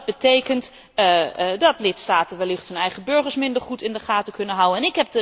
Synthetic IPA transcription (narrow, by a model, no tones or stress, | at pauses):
bətejkənt | dɔtlɪtstaːtəʋɛlɪxthɵnɛjχəbøɹχəɹsmɪndəɹχutɪndəχaːtəkɵnəɦawənɛnɪkɦɛp̚də